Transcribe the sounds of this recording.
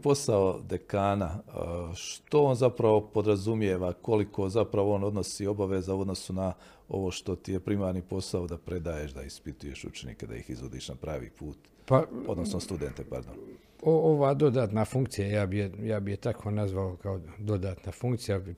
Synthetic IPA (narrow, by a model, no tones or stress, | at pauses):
po̞saod̪ekaːna | ʃt̪o̞oːnzapɾaʋo̞po̞d̪ɾazumjeːʋako̞likʰo̞zapɾaʋooːno̞d̪no̞siːo̞baʋezauo̞d̪no̞suna | o̞̰ʋo̞ʃt̪o̞t̪ijepɾimaːɾnipo̞saod̪apɾe̞d̪aːjeːʃd̪a̰ispit̪uje̞ʃṵt͡ʃenḭked̪a̰ḭxizʋod̪ḭːʃnapɾaːʋḭːpʰuːt̪ | pao̞̰d̪nosnost̪ud̪ent̪epa̰ɾd̪o̰n | ooʋaːd̪o̞d̪aːt̪nafuŋkt̪sijajaːbijejaːbijet̪akʰoːnazʋalokaod̪o̞d̪aːt̪nafuŋkt̪sija